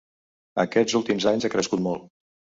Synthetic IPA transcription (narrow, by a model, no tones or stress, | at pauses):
əkɛzulˠt̪imzaɲzakɾəskut̪̚mɔlˠ